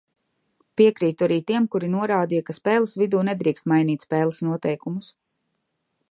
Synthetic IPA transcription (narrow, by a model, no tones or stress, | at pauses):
piɛkɾiːt̪uaɾiːt̪iɛmkuɾinuɔɾaːd̪ijakaspɛːlˠɐsvid̪uːnɛd̪ɾiːkst̪majniːt̪spɛːlˠə̥snuɔt̪ɛjkumus